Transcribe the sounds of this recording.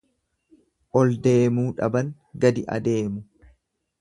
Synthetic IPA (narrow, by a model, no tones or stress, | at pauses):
ʔɔld̪e̞ːmuːᶑɐbɐŋ | ɡɐd̪ɪʔɐ̰d̪e̞ːmʊ